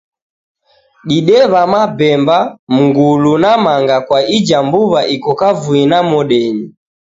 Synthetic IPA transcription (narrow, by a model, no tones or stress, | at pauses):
ɗiɗɛβamabɛmbam̩ɡulunamaŋɡakwaid͡ʒambuβaʔikɔkavuinamɔɗɛɲi